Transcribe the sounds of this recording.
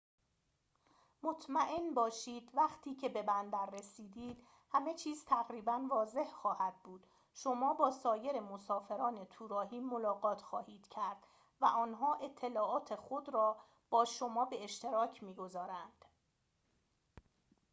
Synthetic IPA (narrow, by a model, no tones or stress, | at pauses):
mot̪ʰmæʔe̞nbɒːʃiːd̪væχt̪ʰiːcʰe̞be̞bænd̪æɾːe̞siːd̪iːd̪̥ | hæme̞t͡ʃʰiːz̥t̪ʰæɣɾiːbænvɒːze̞hxɒːhæd̪̥̚buːd̪̥ | ʃo̞mɒːbɒːsɒːje̞ɾe̞mosɒːfe̞ɾɒːne̞t̪ʰuːɾɒːɦiːmo̞lɒːɣɒːt̪ʰxɒːhiːd̪̥cʰæɾd̪̥ | væʔɒːnɦɒːʔe̞t̪ʰːe̞lɒːɒːt̪ʰe̞xod̪ɾɒː | b̥ɒːʃo̞mɒːbe̞eʃt̪e̞ɾɒːcʰmiːɡo̞zɒːɾænd̪̥